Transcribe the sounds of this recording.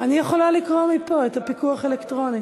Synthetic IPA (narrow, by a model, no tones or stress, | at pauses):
anijeχo̞lalikʁomipoetapikuaχe̞lektʁo̞ni